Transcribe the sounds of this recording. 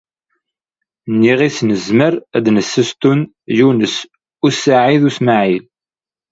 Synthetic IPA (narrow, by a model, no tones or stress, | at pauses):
nːiʁisnəzməɾæd̪nəsːəst̪un | junəs | usaʕiðusmaʕil